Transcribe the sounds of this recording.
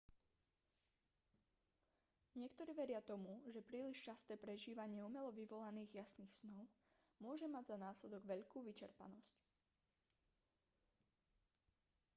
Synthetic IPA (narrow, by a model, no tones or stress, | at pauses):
ɲɪɛkt̪ɔɾiːʋɛɾɪat̪ɔmuʒɛpɾiːliʃt͡ʃast̪ɛːpɾɛʒiːʋaɲɪɛumɛlɔʋiʋɔlaniːɣjasniːxsnɔʊ | mʊɔʒɛmaɟzanaːslɛd̪ɔɡʋɛʎkuːʋit͡ʃɛɾpa̰nɔsc